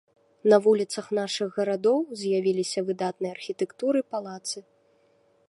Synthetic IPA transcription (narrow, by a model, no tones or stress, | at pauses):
nɐvulʲit̪sɐxnaʂɨɣɣɐɾad̪ɔwzʲjavʲilʲisʲɐvɨd̪at̪̚nɨjɐarxʲit̪ɛkt̪uɾɨpalˠat̪sɨ